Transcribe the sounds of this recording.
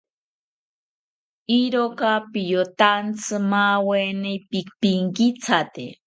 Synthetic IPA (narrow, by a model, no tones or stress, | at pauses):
iɾokapijot̪ant͡sʰɨmawenepikpiŋkit͡sʰat̪ḛ